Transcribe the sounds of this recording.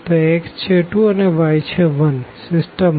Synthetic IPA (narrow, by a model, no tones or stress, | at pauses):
t̪oekst͡ʃʰeʈuəneʋajt͡ʃʰeʋənsɪsʈəm